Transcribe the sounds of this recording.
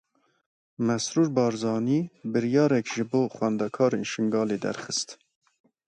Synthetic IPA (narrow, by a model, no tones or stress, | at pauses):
mɛsɾuːɾbɑːɾzɑːniːbɨɾjɑːɾɛkʒɨboːxwɛnd̪ɛkʰɑːɾeːnʃɪŋɡɑːleːd̪ɛ̰ɾxɨst̪